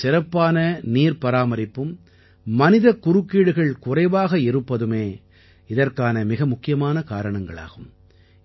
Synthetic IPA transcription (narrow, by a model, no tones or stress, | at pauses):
sɪɾɐpːaːnɐniːɾpɐɾaːmɐɾɪpːɯmː | ɐnɪðɐkːʊɾɯkːiːɽɯɣɐɭkʊrɐɪʋaːɣɐɪɾɯpːɐðɯmeː | ɪðɐrkaːnɐmɪɣɐmʊkːɪjɐmaːnɐkaːɾɐɳɐŋɡɐɭa̰ːɣɯm